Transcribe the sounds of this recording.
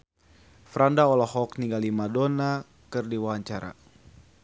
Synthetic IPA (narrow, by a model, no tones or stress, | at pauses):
fɾandaɔlɔhɔk̚niŋɡalimadona | kɨrdiwawaɲt͡ʃaɾa̰